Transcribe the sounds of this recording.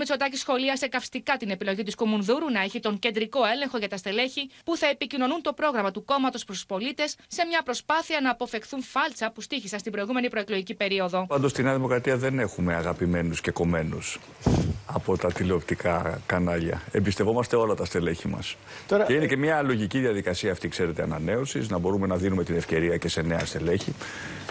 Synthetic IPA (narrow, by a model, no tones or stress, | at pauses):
meso̞t̪ɐcisxo̞liɐsekɐfst̪ikɐt̪ine̞pilo̞ʝit̪iskomunðuɾunɐe̞çit̪o̞ŋce̞nd̪ɾiko̞e̞le̞ŋxo̞ʝɐt̪ɐst̪e̞le̞çipuθɐe̞picino̞nunt̪o̞pɾo̞ɣɾɐmɐt̪uko̞mɐt̪o̞spɾst̪u̥spo̞lit̪e̞sːe̞mɲɐpɾo̞spɐθiɐnɐːpo̞fe̞xθunfɐlt͡sɐpust̪içisɐnst̪ibɾo̞iɣume̞nipɾo̞e̞kloʝicipe̞ɾioðo̞pɐnd̪o̞st̪ineɐðimo̞kɾɐt̪iɐðe̞ne̞xume̞ɐɣɐpime̞nusce̞ko̞me̞nus | ɐpo̞t̪ɐt̪ileopt̪ikɐkɐnɐʎɐ̰e̞mbist̪evo̞mɐst̪e̞o̞lɐt̪ɐst̪e̞le̞çimɐ̰s | t̪oeinece̞mɲɐlo̞ʝiciðiɐðikɐsiɐːft̪ikse̞ɾe̞t̪e̞ɐnɐne̞usiznɐbo̞ɾume̞nɐðinume̞t̪ine̞fce̞ɾiɐce̞se̞ne̞ɐst̪e̞le̞çi